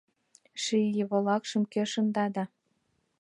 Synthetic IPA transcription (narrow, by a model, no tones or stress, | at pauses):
ʃijəβolɑkʃə̆mkeʃɤ̆nd̪ɑd̪ɑ